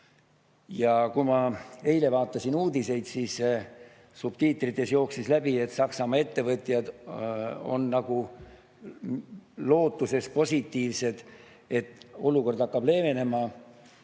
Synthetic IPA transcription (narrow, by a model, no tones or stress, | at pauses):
jɑkumɑe̞jle̞vɑːt̪ːˑɑsinuːd̪ise̞jd̪̥siːs | sub̥t̪iːt̪ːˑrit̪ːˑe̞sjo̞ːksislæbie̞t̪sɑksɑmɑe̞t̪ːe̞vɤt̪ˑjɑd̪̥ | o̞̰nːɑɡ̥u | lo̞ːt̪ːˑuse̞spo̞sʲit̪ːˑiːvse̞d̪̥ | et̪ːˑo̞luko̞rd̪ɑkːɑb̥le̞ːve̞ne̞mɑ